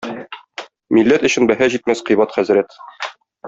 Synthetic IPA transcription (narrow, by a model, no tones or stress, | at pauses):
milːæt̪ɵ̆ɕɘ̆nbæɦæʑit̪mæsqijβɑt̪χæzɾæt̪